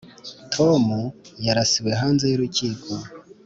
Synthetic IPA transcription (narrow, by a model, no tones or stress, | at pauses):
tʰo̞mujaɾasiweɦaːnzejuɾuciːkʰo